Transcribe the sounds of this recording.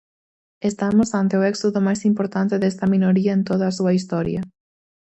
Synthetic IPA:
est̪amʊsant̪eoɛksoðʊmajsimpoɾt̪ant̪eðɛst̪ɐminoɾiɐent̪oð̞ɐːsuɐist̪ɔɾjɐ

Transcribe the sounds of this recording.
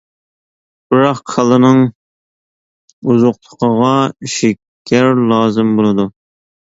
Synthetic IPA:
b̥ɨɾɑqqʰəlˠɨnɨŋ | uzʊqlˠʰʊqʰəʁɑʃɪkʲʰːɛɾlˠɑːzɨmbolˠɨd̪u

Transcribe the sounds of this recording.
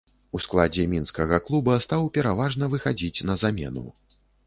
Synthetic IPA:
usklˠad͡zʲɛmʲinskɐɣɐklˠubɐst̪awpʲɛɾavaʐnɐvɨxad͡zʲit͡sʲnɐzamʲɛ̰nṵ

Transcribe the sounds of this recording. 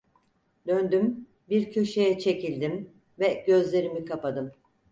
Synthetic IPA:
d̪ønd̪ym | biɾcʰø̞ʃe̞jɛt͡ʃʰe̞cilʲd̪im | vɛɟø̞zlʲe̞ɾimikʰapad̪ɯm

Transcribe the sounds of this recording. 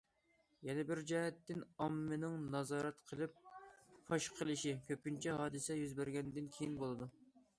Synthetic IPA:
jɛnɛbɪɾd͡ʒɑːhɛt̪ːɪnɑmːɨnɪŋnɑzɑːɾɛt̪qʰəlˠɪp̚fʰɑʃqʰəlˠɨʃikʲʰøp̚ʲynt͡ʃʰɛɦɑːd̪ɨsɛjyzbæɾɡʲɛnɪd̪ɪnkʲʰejinbolˠɨd̪u

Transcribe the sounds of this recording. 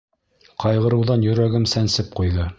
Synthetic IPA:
qʰɑjʁɤ̆ɾɤ̆wðɑnjɵ̆ɾæɡɘmsænsɘp̚qujðɤ

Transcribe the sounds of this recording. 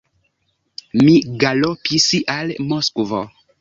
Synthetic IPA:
miɡalopisiʔalmoskvo

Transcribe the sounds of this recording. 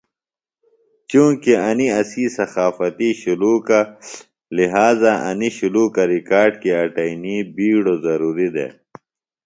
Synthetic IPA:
t͡ʃũːkeɐniɐsiːsɐxaːfɐt̪iɕuluːka | liɦaːzaʔɐ̰niɕuluːkɐɾikaːɾɖkiɐʈɐiniːbiːɽozɐɾuːɾid̪ḛː

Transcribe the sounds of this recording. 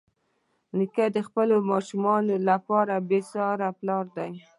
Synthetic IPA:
nikad̪əxpəlomɑʃumɑnolapɑɾabesɑɾaplɑɾd̪aj

